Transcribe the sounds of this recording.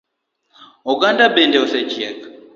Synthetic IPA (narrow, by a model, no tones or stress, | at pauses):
ɔɡandabɛndɛɔsɛt͡ʃiɛk